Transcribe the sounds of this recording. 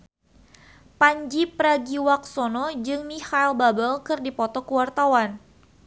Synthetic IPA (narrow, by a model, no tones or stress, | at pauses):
paɲd͡ʒipəɾaɡiwak̚sɔnɔd͡ʒɨŋmihailbabəlkɨrdipɔt̪ɔkəwart̪awan